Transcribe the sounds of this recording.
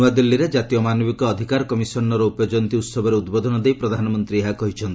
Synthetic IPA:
uwad̪ilːiɾed͡ʒat̪ijɔmanɔbikɔːd̪ʱikaɾɔkɔmisɔnɔɾɔupɔjed͡ʒɔnt̪iut̪sɔbʱɔɾeud̪bɔd̪ʱɔnɔd̪ejpɾɔd̪ʱanɔmɔnt̪ɾieɦakɔɦit͡ʃʰɔnt̪ii

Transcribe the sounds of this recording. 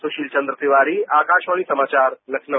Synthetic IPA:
sʊʃiːlt͡ʃɐ̃nd̪ɾəsɪʋaːɾiaːkaːʃʋaːɽ̃isɐmaːt͡ʃaːɾlɐkʰnə

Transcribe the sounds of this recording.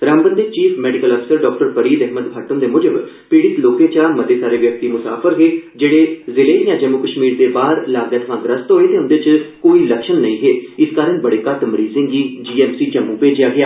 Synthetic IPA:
ɾãːmbənd̪eːt͡ʃiːpʰmɛːɖɪkəlɔːpʰɪ̥səɾɖɔːk̚ʈəɾpəɾiːd̪ɛɦməd̪bʱaːʈ̪əmd̪eːmʊd͡ʒəb | piːɽɪt̪loːkẽːt͡ʃaːmət̪eːsaːɾeːʋjək̚t̪iːmʊsa̰ːpʰəɾɦeːd͡ʒeːɽeːzɪleːjãːd͡ʒəmːuːkəʃmiːɾd̪eːbaːɾlaːɡd̪eːt̪ʰəʋãːɡɾəst̪oːɦeːt̪eːʊ̃nd̪eːt͡ʃkoːiːləkʃənːə̃ĩːɦeːɪskaːɾənbəɽeːkaʈ̪mɾiːzɪ̃ːŋɡiːd͡ʒiːɛːmsiːd͡ʒəmːuːpeːd͡ʒjaːɡɪaː

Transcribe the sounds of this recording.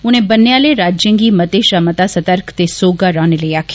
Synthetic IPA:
ʊñẽːbənːejãːleːɾaːd͡ʒjə̃ŋɡiːmət̪eːʃamət̪aːsət̪əɾkt̪esoːɡaːɾɔːneləiaːkʰː

